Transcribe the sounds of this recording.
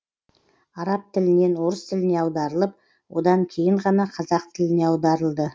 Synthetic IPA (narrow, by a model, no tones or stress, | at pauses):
ɑɾɑp̚t̪ʰɪlɪne̞nwo̞ɾəst̪ʰɪlɪne̞ɑwd̪ɑɾəlˠəp̚ | wʔo̞̰d̪ɑŋkʲʰe̞jɪɴʁɑnɑqʰɑzɑq̚t̪ʰɪlɪne̞ɑwd̪ɑɾəlˠd̪ə